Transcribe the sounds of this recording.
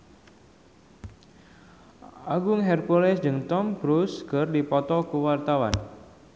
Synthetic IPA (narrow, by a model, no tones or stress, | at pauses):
aɡʊŋɦɛrpolɛsd͡ʒɨŋt̪ɔmkɾuskərdipɔt̪ɔkuwart̪awa̰n